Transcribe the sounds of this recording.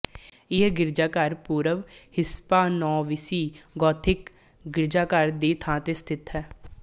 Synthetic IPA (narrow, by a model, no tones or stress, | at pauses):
ɪɡɪɾd͡ʒaːkəɾpuːɾəʋhɪspaːnɔːʋɪsiːɡɔːt̪ʰɪk | ɡɪɾd͡ʒaːkəɾd̪eːt̪ʰãːt̪eːst̪ʰɪt̪ɦɛː